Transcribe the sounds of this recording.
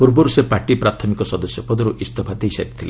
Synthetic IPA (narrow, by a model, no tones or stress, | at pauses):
puɾboɾusepaʈipɾat̪ʰɔmikɔsɔd̪ɔsjɔpɔd̪ɔɾuʔist̪ɔbʱad̪ejsekt̪ʰile